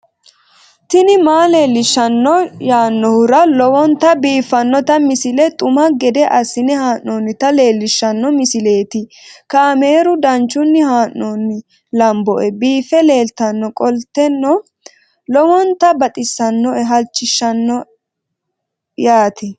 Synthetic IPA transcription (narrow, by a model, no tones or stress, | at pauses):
t̪ɪnɪmaːle̞ːlːɪʃːɐnːɔjaːnːɔhʊɾɐlɔwɔnt̪ɐbiːfːɐnːɔt̪ɐmɪsɪlɛt̪ʼʊmɐɡɛd̪ɛʔɐsːɪnɛhaːnːoːnːɪt̪ɐle̞ːlːɪʃːɐnːɔmɪsɪle̞ːt̪ɪ | kaːme̞ːɾʊd̪ɐnt͡ʃːʊnːɪhaːnːoːnːɪ | lɐmbɔʔɛbiːfɛle̞ːlt̪ɐnːɔkʼɔlt̪ɛnːɔ | lɔwɔnt̪ɐbɐt̪ʼɪsːɐnːɔɛɦɐlt͡ʃːɪʃːɐnːɔ | jaːt̪ɪ